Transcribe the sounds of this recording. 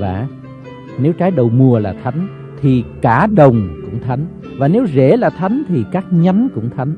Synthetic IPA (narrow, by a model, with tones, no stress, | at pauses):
va̰ː˧˩ | ne˨˦wt͡ɕaː˨˦jɗə˨˩wmu˨˩əlaː˨˩t̪ʰa˨˦jŋ̟ | t̪ʰi˨˩kaː˧˩ɗə˨˩wŋ͡mkʊ̰˧˥ŋ͡mt̪ʰa˨˦jŋ̟ | vaː˨˩ne˨˦wze˧˩˦laː˨˩t̪ʰa˨˦jŋ̟t̪ʰi˨˩kaː˦˥k̚ɲa˨˦nkʊ̰˧˥ŋ͡mt̪ʰa˨˦jŋ̟